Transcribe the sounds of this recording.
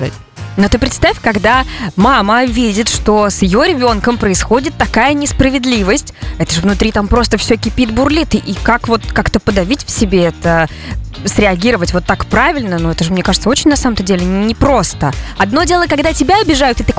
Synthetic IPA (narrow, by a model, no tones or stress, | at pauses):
a̰ | no̞t̪ɨpɾʲɪt̪st̪afʲkɐɡd̪amaməvʲidʲɪt̪ʂt̪o̞sjɪjoɾʲɪbʲo̞nkəmpɾəɪsxo̞dʲɪt̪ːɐkajənʲɪspɾəvʲɪd̪lʲivəsʲtʲɛt̪əʐɨvnʊt̪ɾʲit̪ampɾo̞st̪əfsʲɵkʲɪpʲit̪bʊrlʲit̪ɨʔikakvo̞t̪kakt̪əpəd̪ɐvʲitʲfsʲɪbʲeɛt̪ə | sɾʲɪɐɡʲiɾəvətʲvo̞t̪ːakpɾavʲɪlʲnənuɛt̪əʐɨmnʲe̞kaʐɨt̪səot͡ɕɪnʲnɐsaməmt̪ədʲelʲɪnʲɪpɾo̞st̪əɐd̪no̞dʲe̞lˠəkɐɡd̪atʲɪbʲaɐbʲɪʐajʊt̪ɨt̪ɨ